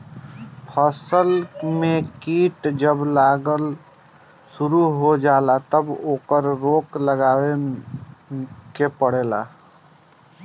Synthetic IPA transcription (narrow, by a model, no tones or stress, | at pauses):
pʰəsəlmekiʈd͡ʒəblaɡəl | suɾuɦod͡ʒalat̪əboːkəɾɾokləɡawe | kepəɽela̰